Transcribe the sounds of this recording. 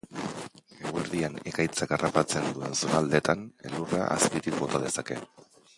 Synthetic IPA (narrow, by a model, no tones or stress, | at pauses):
e̞ɣueɾðiane̞kajt͡sakarapat͡se̞nd̪ue̞nsonald̪e̞t̪ane̞̰lura̰ʔa̰skit̪ik̚bo̞t̪að̞e̞sake̞̰